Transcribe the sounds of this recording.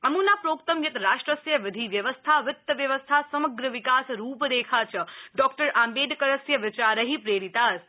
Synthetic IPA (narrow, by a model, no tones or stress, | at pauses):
əmũnapɾoːk̚t̪əmjɐt̪ɾaːʃʈɾəsjɐʋɪd̪ʱiʋjəʋəst̪ʰaʋɪt̪ːəʋjɐʋəst̪ʰasɐməɡɾəʋikaːsɾuːpd̪eːkʰat͡ʃʰəɖɔːk̚ʈəɾaːmbeːd̪kəɾəsjəʋɪt͡ʃaːɾəɦipɾeːɾit̪aːs